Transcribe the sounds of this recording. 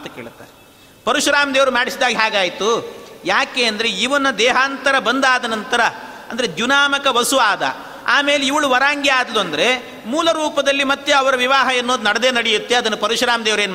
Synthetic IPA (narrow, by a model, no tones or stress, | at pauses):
t̪ɐkeːɭut̪ːa̰ːɾe | pɐɾuʂɐɾaːmd̪eːʋɐɾumaːɽisid̪aːɡiɦaːɡaːjt̪ujaːkeːɐnd̪ɐɾe̞iʋɐnːɐd̪ɛːɦaːnt̪ɐɾɐbɐnd̪aːd̪ɐnɐnt̪ɐɾɐ | ɐnd̪ɐɾed̪junaːmɐkɐʋɐsuʋaːd̪ɐ̰ | aːme̞ːleiʋɐɭuʋɐɾaːŋɡjɐaːd̪ɐluɐnd̪ɐɾe̞ | muːlɐɾuːpɐd̪ɐlːimɐt̪ːjeɐʋɐɾɐʋiʋaːɦɐɐnːoːd̪unɐɽɐd̪e̞ːnɐɽejut̪ːe̞ɐd̪ɐnːɐpɐɾuʂɾaːmd̪eːʋɾeːnː